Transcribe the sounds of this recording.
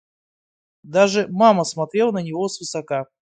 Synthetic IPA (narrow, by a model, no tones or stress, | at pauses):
d̪aʐɨmaməsmɐt̪ɾʲe̞lˠnənʲɪvosvɨsɐka